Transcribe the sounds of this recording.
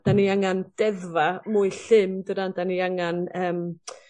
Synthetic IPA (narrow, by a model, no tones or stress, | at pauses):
d̥aniaŋand̥ɛðvamʊɨɬɪmdədandaniaŋanəːm